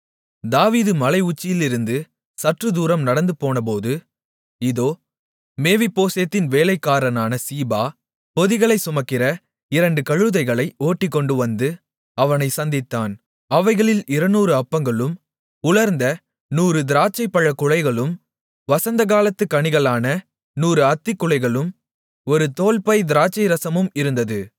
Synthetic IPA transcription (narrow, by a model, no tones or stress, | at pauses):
d̪aːʋiːðɯmɐlɐɪʊt͡ʃːɪjɪlɪɾɯnd̪ɯ | sɐʈrɯd̪uːɾɐmnɐɽɐnd̪ɯpoːnɐp̬oːðɯ | ɪðoː | meːʋɪpːoːseːt̪ːɪnʋeːlɐɪkːaːɾɐnaːnɐsiːbaː | pɔðɪɣɐɭɐɪsʊmɐkːɪɾɐ | ɪɾɐɳɖɯkɐɻɯðɐɪɣɐɭɐɪoːʈːɪkːɔɳɖɯʋɐnd̪ɯ | ɐʋɐnɐɪsɐnd̪ɪt̪ːaːn | ɐʋɐɪɣɐɭɪlɪɾɐnuːɾɯɐpːɐŋɡɐɭɯm | ʊɭɐɾnd̪ɐ | nuːɾɯd̪ɪɾaːt͡ʃːɐɪpːɐɻɐkːʊɻɐɪɣɐɭɯm | ʋɐsɐnd̪ɐɣaːlɐt̪ːɯkːɐɳɪɣɐɭaːnɐ | nuːɾɯɐt̪ːɪkːʊɭɐɪɣɐɭɯm | ɔɾɯt̪oːlpɐɪd̪ɪɾaːt͡ʃːɐɪɾɐsɐmɯmɪɾɯnd̪ɐðɯ